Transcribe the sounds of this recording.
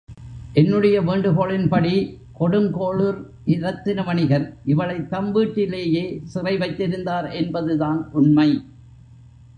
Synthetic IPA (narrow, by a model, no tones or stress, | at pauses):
ʔɛnːɯɽɐjɐʋeːɳɖɯɣoːɭɪnpɐɽi | kɔɽɯmkoːɭɯɾ | ʔɪɾɐt̪ːɪnɐmɐɳɪɣɐɾʔɪʋɐɭɐɪt̪ːɐmʋiːʈːɪleːjeːsɪrɐɪʋɐɪt̪ːɪɾɯnd̪aːɾʔɛnbɐðɯðaːnʔʊnmɐɪ